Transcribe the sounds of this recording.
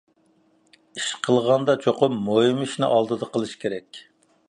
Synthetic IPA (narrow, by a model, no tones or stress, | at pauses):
iʃqʰəlˠʁɑnd̪ɑt͡ʃʰoqʊmːojmiʃnɨ̰ʔɑlˠd̪ɨd̪ɑqʰəlˠɨʃkʲʰeɾɛkʲ